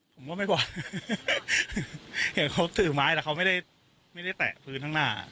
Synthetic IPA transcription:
pʰo˩˦waː˥˩ma˥˩kwɔː˨˩ | ja˨˩kʰa˦˥wt̪ɯː˨˩maː˦˥j̪t̪ɛː˨˩kʰa˦˥ma˥˩jda˥˩j | ma˥˩jɾa˥˩jt̪ɛ̰ː˨˩ʔpʰɯː˦˥˩nʰa˥˩naː˥˩

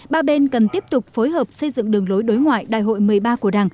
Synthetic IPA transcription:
ɓaː˧ɓe˧nkə˨˩nt̪i˦˥əp̚t̪ʊ˨˩k͡p̚fo˨˦jɦəː˨˩p̚sə˧jzɨ̰˧˨ŋɗɨ˨˩əŋlo˨˦jɗo˨˦jŋwa̰ː˧˨jɗa̰ː˧˨jɦo̰˧˨jmɨ˨˩əjɓaː˧ku˧˩əɗaː˨˩ŋ

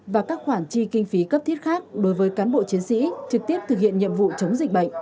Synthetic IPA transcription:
vaː˨˩kaː˦˥k̚xwaː˧˩nt͡ɕi˧kï˧ŋ̟fi˨˦kə˦˥p̚t̪ʰi˦˥ət̚xaː˦˥k̚ɗo˨˦jvəː˨˦jkaː˨˦nɓo̰˧˨t͡ɕi˨˦ənsḭ˧˥t͡ɕɨ˨˩k̚t̪i˦˥əp̚t̪ɨ˨˩k̚hḭ˧˨ənɲḭ˧˨əmvṵ˧˨t͡ɕə˨˦wŋ͡mzï˨˩k̟̚ɓə̰˧˨ŋ̟

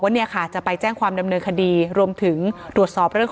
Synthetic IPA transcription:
k̚waː˥ni˥˩ɐkʰa˥˩t͡ɕa˨˩pa˧jt͡ɕɛː˥˩ŋkʰwaː˧mda˧mnɤː˧nkʰa˧diː˧ɾu˧əmt̪ʰɯ˩˦ŋt̪ɾu˨˩ət̪̚sɔː˨˩p̚ɾɯ˥˩əŋ

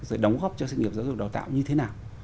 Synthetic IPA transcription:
zə̰ː˨˩jɗə˨˦wŋ͡mɣɔ˦˥p̚t͡ɕɔ˧s̬i˧ŋi˨˩p̚za˨˦zʊ˨˩k̚ɗaː˨˩wt̪a̰ː˧˨wɲɨ˧t̪ʰe˨˦naː˨˩w

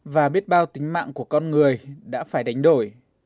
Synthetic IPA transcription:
vaː˨˩ɓi˦˥ət̚ɓaː˧wt̪ï˨˦ŋ̟ma̰ː˧˨ŋku˧˩əkɔ˧nŋɨ˨˩əjɗa̰ː˧˥faː˧˩jɗa˨˦jŋ̟ɗo˧˩j

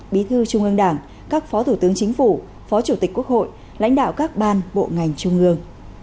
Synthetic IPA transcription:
ɓi˨˦t̪ʰɨ˧t͡ɕʊ˧ŋ͡mʔɨ˧əŋɗaː˧˩ŋ | kaː˦˥k̚fɔ˨˦t̪ʰu˧˩t̪ɨ˨˦əŋt͡ɕï˨˦ŋ̟fu˧˩ | fɔ˨˦t͡ɕu˧˩t̪i˨˩k̟̚ku˦˥ək̚ho̰˧˨j | la̰˧˥jŋ̟ɗa̰ː˧˨wkaː˦˥k̚ɓaː˧nɓo̰˧˨ŋa˨˩jŋ̟t͡ɕʊ˧ŋ͡mʔɨ˧əŋ

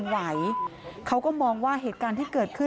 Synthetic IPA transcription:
nwa˦jkʰa˦˥wkɔː˥˩mɔː˧ŋwaː˥˩ɦeː˨˩t̪̚kaː˧nt̪ʰiː˥˩kɤː˨˩t̪̚kʰɯ˥˩

